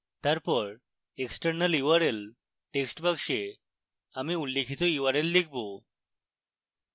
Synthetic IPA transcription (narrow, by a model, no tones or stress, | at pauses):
t̪jaɾpɔɾ | eksʈəɾnəljuʋaɾel | ʈeksʈbakʂe | amiulːekʰit̪ɔuʋaɾelːik̚ʰbo